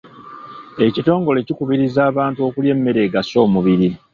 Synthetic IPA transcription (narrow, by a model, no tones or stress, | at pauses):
e̞cito̞ːŋɡo̞le̞cikuβiɾizaːβaːntuo̞kulje̞mːe̞ɾe̞ːɡaso̞ːmuβiɾi